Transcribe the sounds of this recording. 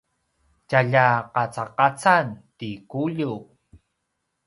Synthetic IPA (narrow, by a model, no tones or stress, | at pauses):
caʎaqat͡saqat͡santikuʎu